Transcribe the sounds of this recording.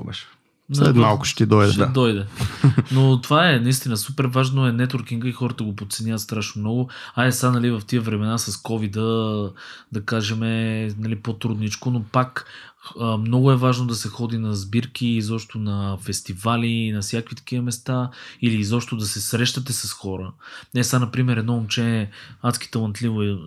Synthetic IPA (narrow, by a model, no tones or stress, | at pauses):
ɛ̰ʃ | nlɛ̰t̪malˠkʊ̥ʃt̪ɛd̪ɔjd̪ɛ̰ad̪ɔjd̪ɛnot̪ovaɛnɐist̪inəsupɛɾvaʒnoɛnɛt̪oɾkiŋɡəixɔɾət̪əɡopot̪sɛnʲjavət̪st̪ɾaʃnomnɔɡʊaɛsanɐlivɐft̪iəvɾɛmɛnasɐskɔvid̪ə | d̪ɐkaʒɛmɛnɐlipot̪ɾud̪nit͡ʃkonopak | əmnɔɡʊɛvaʒnod̪ɐsɛxɔd̪inɐzbiɾkiːzɔpʃt̪onɐfɛst̪ivalinɐsʲjakvit̪ɐ̥k̟iəmɛst̪ailiːzɔpʃt̪od̪ɐsɛsɾɛʃt̪ət̪ɛsɐsxɔɾənɛsanɐpɾimɛɾɛd̪nɔomt͡ʃɛnʲɛat̪ski̥t̪ɐlˠɐnt̪livoɛ